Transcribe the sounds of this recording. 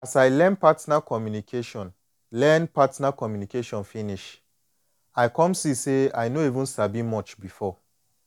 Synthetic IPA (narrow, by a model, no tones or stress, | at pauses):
asajlɛ̃npatnakɔmjunikʰeʃɔ̃n | lɛ̃npatnakɔmjunikeʃɔ̃nfĩniʃ | ajkɔ̃msisea̰jnoivũnsabĩmɔt͡ʃbifɔ